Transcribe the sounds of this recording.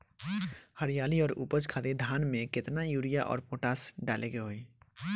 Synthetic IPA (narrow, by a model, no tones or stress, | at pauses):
həɾijaːliɔːɾṵːpəd͡ʒkʰaːd̪ed̪ʱaːnmẽkɪt̪najuɾijaʔɔ̰ːɾpoʈaːsɖaːlʔeɡeɦoi